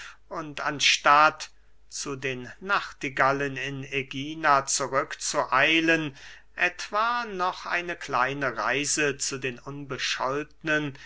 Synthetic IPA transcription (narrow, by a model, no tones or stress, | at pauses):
ʔʊntanʃtat | t͡sudeːnːaχtiɡalənɪneɡiːnat͡suʁʏkt͡suʔaɪlən | ʔɛtv̥aːnɔχʔa̰ɪnəklaɪnəʁa̰ɪzət͡sudeːnʊnbəʃɔlt̚nən